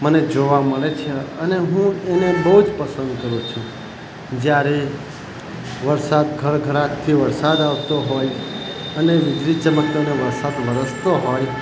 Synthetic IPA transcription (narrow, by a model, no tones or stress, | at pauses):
məned͡ʒoʋaməɭet͡ʃʰeəneɦũenebəɦud͡ʒpəsə̃nd̪kəɾũt͡ʃʰũ | d͡ʒjaɾe | ʋəɾsad̪ɡʱəɾɡʱəɾãkt̪ʰiʋəɾsad̪aʋt̪oɦojəneʋɪd͡ʒ̪ɾit͡ʃəməkoneʋəɾsad̪ʋəɾəst̪oɦoj